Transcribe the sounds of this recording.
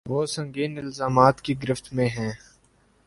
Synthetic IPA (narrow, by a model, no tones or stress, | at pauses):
ʋoːsɐ̃ŋɡiːnɪlzaːmaːt̪kiɡɪɾɪft̪mẽɦɛ̃ː